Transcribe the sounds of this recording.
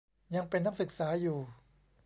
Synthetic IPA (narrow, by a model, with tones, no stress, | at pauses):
ja˧ŋpe˧nːa˦˥˨sɯ˨˩k̚saː˩˦˥juː˨˩